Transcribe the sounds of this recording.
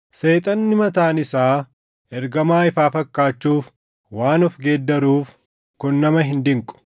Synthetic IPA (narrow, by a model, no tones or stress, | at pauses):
se̞ːt̪ʼɐnːɪmɐt̪aːnɪsaː | ʔɛɾɡɐmaːɪfaːfɐkːaːt͡ʃːuːf | waːnʊfɡeːd̪ːɐɾuːf | kʊnːɐmɐɦɪnd̪ɪŋkʼʊ̥